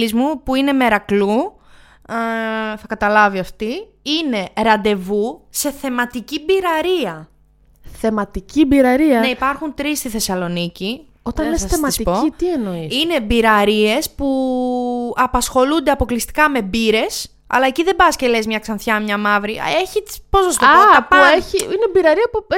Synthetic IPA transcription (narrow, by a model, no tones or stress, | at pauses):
izmupuine̞me̞ɾɐklu | θɐkɐt̪ɐlɐviɐft̪i | ine̞ɾɐnd̪e̞vuse̞θe̞mɐt̪icibiɾɐɾiɐ | θe̞mɐt̪icibiɾɐɾiɐneipɐɾxunt̪ɾist̪iθe̞sɐlo̞nici | ot̪ɐnlesɐsθemɐɐst̪ipoiienoisine̞biɾɐɾie̞spu | ɐpɐsxo̞lund̪e̞ɐpo̞klist̪i̥kɐme̞biɾe̞s | ɐ̰lɐe̞ciðe̞bɐscele̞zmɲɐksɐnθçɐmɲɐmɐvɾieçipozost̪oɐɐpɐeiinebiɾɐɾiɐpu